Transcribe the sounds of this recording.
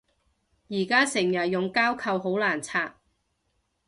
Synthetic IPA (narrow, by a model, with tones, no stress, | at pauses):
jiː˨˩kaː˥sɪ˨˩ŋjɐ˨t̚jʊ˨ŋkaː˥wkʰɐ˨˧wɦo˨˥wlaː˨˩nt͡sʰaː˧t̚